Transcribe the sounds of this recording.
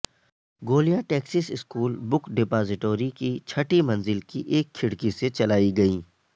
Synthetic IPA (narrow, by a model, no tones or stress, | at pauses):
ɡoːlijãʈɛːksɪsɪskuːlbʊkɖɪpaːzɪʈoːɾikit͡ʃʰɐʈimɐ̃nzɪlkiʔeːkʰːɪɽkiset͡ʃɐlaːiɡɐiː